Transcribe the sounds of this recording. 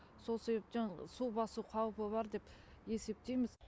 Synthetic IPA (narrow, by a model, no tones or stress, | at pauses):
so̞lˠse̞βe̞p̚t̪ensubɑsuqʰɑwpəβɑɾd̪e̞p | e̞se̞p̚t̪e̞jmɪz